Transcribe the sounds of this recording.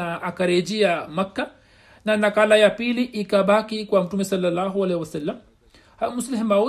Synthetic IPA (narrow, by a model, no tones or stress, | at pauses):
aʔakaɾɛd͡ʒiamakːa | nanakalajapiliʔikaɓakikwam̩tumɛsalːalːaɦualɛhiwasalːam | hamusliɦimau